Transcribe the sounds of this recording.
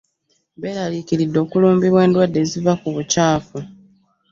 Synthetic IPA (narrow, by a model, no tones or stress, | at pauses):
belalikiɾidːo̞ːkuluːmbiβwe̞ːndwadːe̞ːzivakuβucaːfu